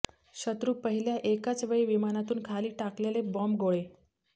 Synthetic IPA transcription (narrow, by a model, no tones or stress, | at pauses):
ɕət̪ɾuːpəɦiljaʔekat͡sʋeɭiːʋimanat̪uːnkʰaliːʈaklelebɔmbɡoɭe